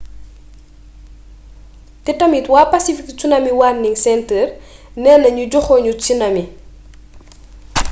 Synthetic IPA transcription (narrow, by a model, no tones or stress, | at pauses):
tɛtɐmitwaːpɐsifikt͡ʃunɐmiwarniŋsɛntərnɛːnɐɲuɟɔxɔːɲut͡ʃinɐmi